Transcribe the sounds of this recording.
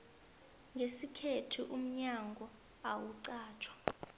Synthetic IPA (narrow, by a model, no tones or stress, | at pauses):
ŋɡʱesikʰetʰiʔum̩ɲaŋɡʱɔ | awuǀaːt͡ʃʰwḁ